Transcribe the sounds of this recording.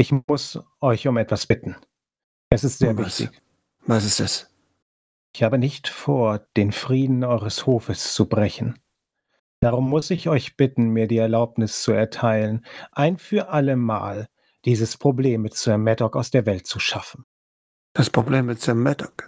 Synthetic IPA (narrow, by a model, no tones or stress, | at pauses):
ʔɪçʊsʔɔʏçʊmɛtv̥asb̥ɪtn̩ | ʔɛsɪstz̥eːɐvɪçtɪ̰ç | vasɪstas | ɪçhaːbənɪçtfoːɐd̥eːnfʁ̥iːdn̩ʔɔʏʁəshoːfəst͡subʁɛçn̩ | d̥aʁʊmːʊsɪçɔʏçb̥ɪtn̩miːɐdiːɛɐlaʊpnɪst͡suɛɐtʰaɪlənʔaɪnfyːɐʔaləma̰ːl | d̥iːzəspʁ̥obleːmːɪtt͡soɐmːɛtɔkaʊsd̥eːɐvɛlt̚t͡suʃafn̩ | d̥aspʁ̥obleːmːɪtz̥omːɛdɔk